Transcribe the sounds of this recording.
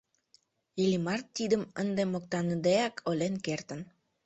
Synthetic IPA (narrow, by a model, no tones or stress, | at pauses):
ilimɑrt̪ːid̪əmənd̪emok̚t̪ɑnəd̪eɑkʰolenkert̪ə̆n